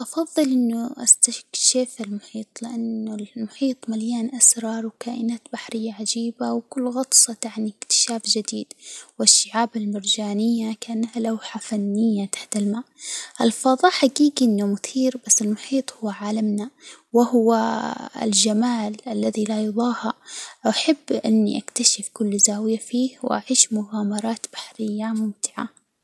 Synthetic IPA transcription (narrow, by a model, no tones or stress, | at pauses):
ʔɑfɑðˤːɨlʔɪnːʊʔa̰st̪akʃefɪlmʊħiːt̪ˤlɪʔanːʊlmʊħiːt̪ˤmaljaːnʔasɾˤɑɾˤwkaːʔɪnaːt̪baħɾɪjːaʕad͡ʒiːbawkʊlːɣɑt̪ˤsˤɑt̪aʕnikt̪ɪ̥ʃaːfd͡ʒɪd̪iːd̪wɪʃːɪʕaːbɪlmɪɾd͡ʒaːnɪjːakaʔanːahalawħafanːɪjːat̪ḁħt̪ɪlmaːʔɪlfɑːðˤɑːħaɡiːɡiʔɪnːʊmʊθiːɾbasːɪlmʊħiːt̪ˤhʊwːʕaːlamnawɪhʊwaɪ̰ld͡ʒamaːlʔalːaðilajʊðˤɑːhaʔaħabːʔɪnːḭʔakt̪aʃɪfkʊlːzaːwɪjafiːhw̰ʔa̰ʕiːʃmʊɣaːmɑɾˤɑːt̪b̥ḁħɾɪjːamʊmt̪ɪ̥ʕa̰